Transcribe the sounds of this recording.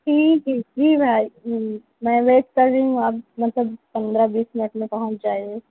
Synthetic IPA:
ʈʰiːkiːk̚d͡ʒiːbʱaːi | mɛ̃ːʋeːʈkəɾːeɦũaːp̚mɐt̪ləb̚pɐ̃nd̪ɾabiːsminəʈmẽpɐɦə̃t͡ʃd͡ʒaːie

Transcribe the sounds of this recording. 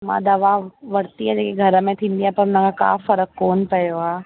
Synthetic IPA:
mã̰d̪aʋaːʋɐɽt̪iɦɛd͡ʒekeɡʱɐɾmẽt̪ʰiɪɳɖijapɐɾnãkaka̰ːfəɾəkːoːnpɐjoaː

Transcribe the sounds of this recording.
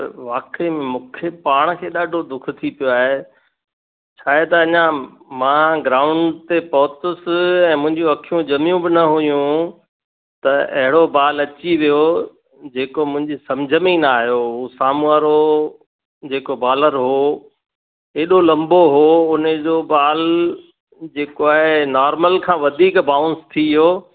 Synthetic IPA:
ʋaːkemẽmʊ̃ːkʰepaːɽ̃kʰeːɗaːɖʱod̪ʊkʰʊt̪ʰipijoaːɦe | t͡ɕʰaːɦet̪ɐːɲã | mãːɡɾaːʊ̃ɳɖt̪epɐɦʊt̪ʊsɪɛ̃ːmʊ̃ɦɪ̃ɲd͡ʑũɐkʰijũd͡ʑɐmijũbɪnɐɦujũ | t̪ɐɐ̰ɦɪɽobaːlɐt͡ɕiʋijo | d͡ʑeːkomʊ̃ɦɪ̃ɲd͡ʑisɐ̃md͡ʑʱəmĩnaːɦijousaːmuaːɾo | d͡ʑeːkobaːləɾɦoː | eːɗolɐ̃mboɦoʊnəd͡ʑobaːl | d͡ʑeːkoaːɦenaːɾməlkʰãːʋɐd̪ʱiːkbaːʊ̃nst̪ʰiɦoː

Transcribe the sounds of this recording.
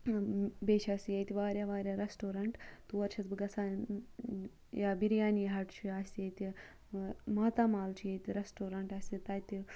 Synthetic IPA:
beːʃʰʲaːsʲijɐjt̪ʲiʋaːɾʲjaːʋaːɾʲjaɾesʈoːɾɐɳʈt̪uʋɐɾt͡ʃʰɐt͡s̪bɡɐsʰaː | jaːbiɾjaːnjiɦɐʈt͡ʃʰiaːsʲt̪ijet̪i | maːt̪aːmaːlt͡ʃʰijet̪ʲiɾesʈoːɾɐɳʈaːsʲt̪it̪aːjt̪i

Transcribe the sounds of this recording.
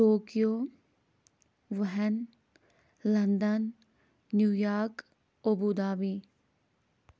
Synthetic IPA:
oːkijoː | ʋɐɦɛn | lɐnd̪ənː | juːjaːɾk | obud̪aːʋiː

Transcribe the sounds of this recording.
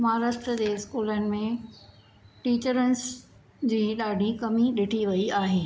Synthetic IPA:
mɐɦaːɾaːst̪ɾəd͡ʑeːɪskuːlənɪ̆mẽ | ʈiːt͡ɕəɾənɪ̆s | d͡ʑiːɗaːɖʱikɐmiɗɪʈʰiʋɐiaːɦeː

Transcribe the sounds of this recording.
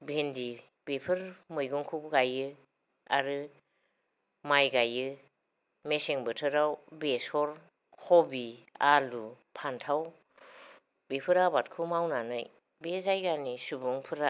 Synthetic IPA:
bʱendi | bepʰɯɾmɯjɡuŋkʰukɡajɯ | a̰ɾɯ | majɡajɯ | meseŋbɯtʰɯɾawbesɔɾ | kʰɔbialu | pʰantʰaw | bepʰɯɾabat̚kʰumawnanɯj | bezajɡanisubuŋpʰɯɾa

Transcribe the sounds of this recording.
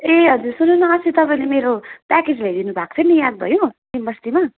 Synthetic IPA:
eɦʌd͡zursununʌʌsit̪ʌpaĩlemeɾopaked͡zbʱejd̪inubʱakt͡sʰʌnijad̪̚bʱʌ̰jõd̪imʌst̪ima

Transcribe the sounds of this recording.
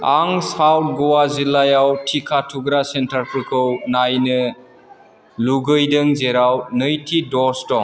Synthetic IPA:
aŋsawt̚ɡɔwazilajawtʰikʰatʰuɡɾasentʰaɾpʰɯkʰɯwnajnɯ | luɡɯjdɯŋzeɾawnɯjtʰidɔstɔŋ

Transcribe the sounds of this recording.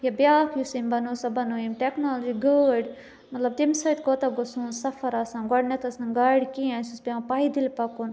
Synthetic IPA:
jɐbjaːkʰjusimbɐnoːsɐbɐnoːimʈeknaːld͡ʒiɡəːɖ | mɐt̪lɐb̚t̪imsɐjt̪koːt̪ɐɡosuːnsɐfɐɾasãːnɡɔɽnɐt̪ʰɐsnɐɡaːɽkiãnsusbjãːpaːid̪ilpɐkun

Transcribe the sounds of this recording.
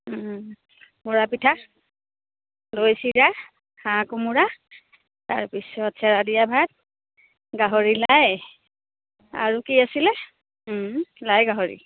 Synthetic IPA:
mɔɹapitʰak | lojsiɹa | hãkumuɹa | ta̰ɹpisɔatsʰaɹadijabʱad̚ | ɡaɦoɹilaj | a̰ɹukiasilɛ | lajɡaɦɔɹḭ

